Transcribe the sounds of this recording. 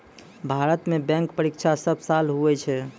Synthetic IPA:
bʱaɾət̪mebɛ̃ŋkpəɾikt͡ʃʰasəbʱsalɦuɛt͡ʃʰɛ

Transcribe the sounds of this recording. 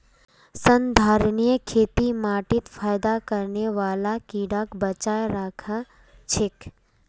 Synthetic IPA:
sə̃nd̪ʱaːɾənijəkʰeːt̪imaːʈɪt̪faːjd̪akɐɾneʋaːlakiːɽaːkbət͡ʃaːjɾakʰa | t͡ʃʰɪk

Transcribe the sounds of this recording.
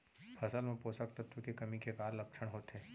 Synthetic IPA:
fʰɐsəlmẽpoːsək̚t̪ət̪wukekɐmikekaːɾlɐpt͡ʃʰəɽ̃ɦoːt̪ɦeː

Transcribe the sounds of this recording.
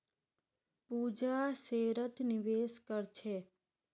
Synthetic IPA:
pud͡ʒaseːɾət̪nɪʋeːʃkəɾt͡ʃʰe

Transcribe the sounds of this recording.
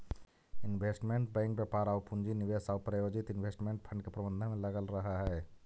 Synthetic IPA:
ɪnʋeːsʈmẽɳʈbɛ̃ːŋkbjəːpaːɾaːwpʊ̃nd͡ʒinɪʋeːsaːwpɾəjoːd͡ʒɪt̪ɪnʋeːsʈmẽɳʈ̚pʰə̃ɳɖkepɾɐbə̃nd̪ʱəmẽlɐɡəlɾɐɦaɦɛː

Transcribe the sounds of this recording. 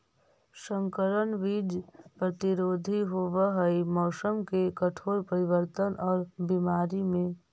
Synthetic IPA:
sə̃ŋkəɾənʋiːd͡ʒpɾət̪ɪɾoːd̪ʱiɦoʋəɦəimɔːsəmkekəʈʰoːɾpəɾɪʋəɾt̪ənʔɔːɾbimaːɾimẽ

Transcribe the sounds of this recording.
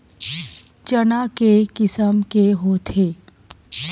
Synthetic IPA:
t͡ʃənakekɪsəmkeɦot̪ʰeː

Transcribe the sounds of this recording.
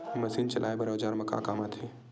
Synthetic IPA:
mɐsiːnt͡ʃɐlʔaːebɐɾoːd͡ʒaːɾmɐka̰ːkaːmat̪ʰeː

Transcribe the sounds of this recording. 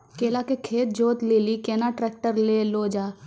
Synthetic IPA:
keːlakekʰeːt̪̚d͡ʒoːt̪leːlikeːnaʈɾɛːk̚ʈəɾleloːd͡ʒaː

